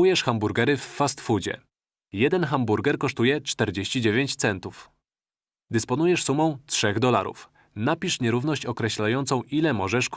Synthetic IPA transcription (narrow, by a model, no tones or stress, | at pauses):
ujɛʂxambuɾɡɛɾɘfːast̪fud͡ʑɛ̰ | jɛd̪ɛnxambuɾɡɛɾkɔʂt̪ujɛt͡ʂt̪ɛɾd͡ʑeɕt͡ɕid͡ʑevʲeɲt͡ɕt̪sɛnt̪uf | d̪ɘspɔnujɛʂsumɔ̃w̃tʂɛɣd̪ɔla̰ɾṵf | napʲiʂɲɛɾuvnɔɕt͡ɕɔkɾɛɕlajɔnt̪sɔ̃w̃ʔilɛmɔʐɛʂk